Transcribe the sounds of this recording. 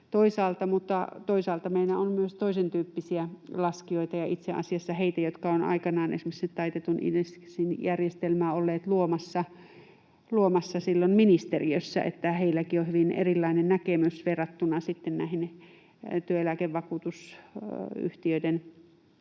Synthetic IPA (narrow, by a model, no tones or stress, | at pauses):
t̪oisɑːlt̪ɑmut̪ːɑ̰t̪oisɑːlt̪ɑmeilæonmyøst̪oisent̪yːpːisiælɑskioit̪ɑjɑʔit̪seʔɑ̰siɑsːɑheit̪æjot̪kɑonɑ̰ikɑnɑːnʔḛsmekset̪t̪ɑit̪et̪unḭssinjærjest̪elmæːolːeːt̪luomɑsːɑ | luomɑsːɑsilːonminist̪eriøsːæ̰ʔḛt̪ːæheilːækiohyʋinʔḛrilːɑinennækemysʋerɑt̪ːunɑsit̪ːennæˑihin | t̪yøelækeʋʋɑkuːt̪us | y̰ht̪iøiden